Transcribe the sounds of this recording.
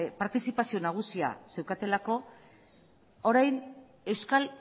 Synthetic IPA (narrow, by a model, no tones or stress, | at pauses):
paɾt̪isipasio̞naɣ̞usia̰se̞wkat̪e̞lako̞ | oɾajn | e̞wskal